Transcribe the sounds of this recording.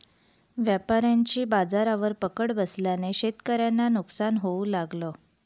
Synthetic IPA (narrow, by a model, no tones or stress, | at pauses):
ʋjapaɾjaɲt͡ɕiːbad͡zaɾaʋəɾpəkəɽbəsljaneɕet̪kəɾjanːanuksanɦoulaɡlo